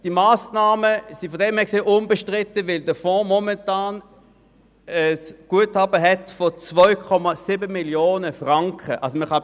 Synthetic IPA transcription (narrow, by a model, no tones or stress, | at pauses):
d̥imaːsnaːməsifodɛmhɛkseːʔʊnbəʃtʁɪtːəvɪldəfɔ̃ːmɔmɛntaːn | ɛsɡ̥uəthɑbəɦɛtfot͡svɔʏkʰɔmasibəmiljoːnəfʁaŋkχəʔa̰lsoməχɑ